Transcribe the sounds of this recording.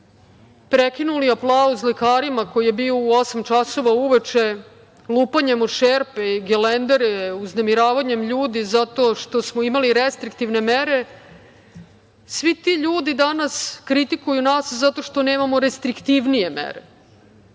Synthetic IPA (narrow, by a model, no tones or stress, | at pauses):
pɾekinuliaplˠauslikaːɾimako̞jije̞bio̞uo̞samt͡ʃaso̞ʋauʋet͡ʃe̞ | luːpaɲemoʃeɾpeiɡelend̪eɾeuznemiɾaːʋaɲemʎuːd̪izat̪o̞ʃt̪o̞smoimaliɾest̪ɾikt̪iʋne̞meɾe̞ | sʋit̪iʎuːd̪id̪anaskɾit̪ikujunaːszat̪o̞ʃt̪o̞ne̞ːmamo̞ɾest̪ɾikt̪iʋnije̞mḛɾḛ